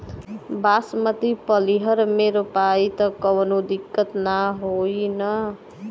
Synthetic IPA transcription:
basmʌt̪ipʌliɦʌɾmeɾopajt̪ʌkʌwʌnud̪ikːʌt̪naɦojnʌ

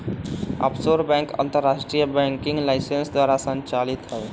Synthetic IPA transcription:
ə̰psoɾbɛ̃ŋkə̰̃nt̪əɾːasʈɾijəbɛ̃ŋkiŋɡlaɪsensd̪waɾasə̃ɲt͡ʃalit̪ɦə

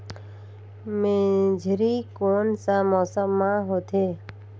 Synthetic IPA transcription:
mẽːd͡ʒʱɾikoːnsamɔːsəmːãɦoːt̪ʰeː

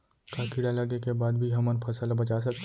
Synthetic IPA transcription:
kakiɽalɐɡekebaːd̪̚bʱiɦɐmənpʰɐsalabɐt͡ʃas̬ɐk̚t̪

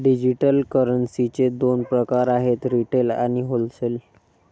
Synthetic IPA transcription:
ɖid͡ʑiʈəlkəɾənsit͡sed̪onpɾəkaɾaɦet̪ɾiʈela̰ñiɦolsel

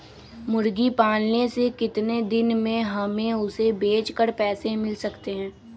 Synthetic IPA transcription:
mʊɾɡipaːlnesekɪt̪ned̪ɪnmẽɦɐmẽʊsebeːt͡ʃkəɾpɛːsemɪlsɐkt̪eɦɛ̃ː

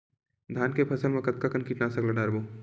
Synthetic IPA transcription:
d̪ʱaːnkepʰɐsəlmẽkɐt̪̚kakɐnkiːʈnasɐklɐɖaːɾboː

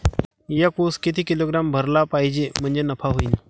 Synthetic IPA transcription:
jakuskit̪ʰiːkiloɡɾambʱəɾlapaɦid͡ʑem̤əɳd͡zenəfʰaɦoiːn

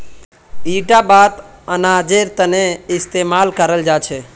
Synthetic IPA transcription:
iɖabat̪ | ənad͡ʒeɾt̪əneɪst̪emalkəɾəld͡ʒat͡ʃʰe

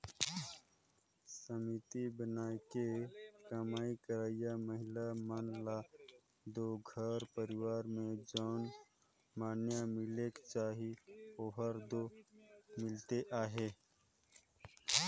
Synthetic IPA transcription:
səmit̪ibənaːekekamaːikəɾaːijaməɦɪlamanla | d̪oːɡʱəɾpəɾɪwaːɾmẽd͡ʒɔːn | maːnjamɪlekt͡ʃaːɦioɦəɾd̪o | mɪlt̪eʔaːɦeː

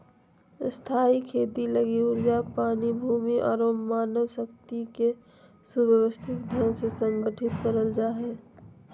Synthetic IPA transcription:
st̪ʰaːikʰeːt̪iləɡiʊɾd͡ʒapaːnibʱuːmiʔɔːɾomaːnəʋsək̚t̪ike | subəwəst̪ʰɪk̪̚ɖʱənsesə̃ŋɡəʈʰɪt̪kəɾəld͡ʒaːɦe

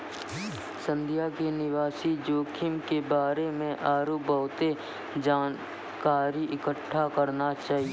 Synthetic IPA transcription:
sə̃nd̪ʱijakenɪʋaːsid͡ʒoːkʰɪmkebaːɾemẽʔaːɾuːbəːʊt̪e | d͡ʒaːn | kaːɾiʔɪkəʈʰːakəɾnat͡ʃaːɦie

